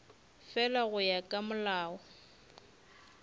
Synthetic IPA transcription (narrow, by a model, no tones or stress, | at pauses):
fɛlaɣʊjakʼamʊlaːɔ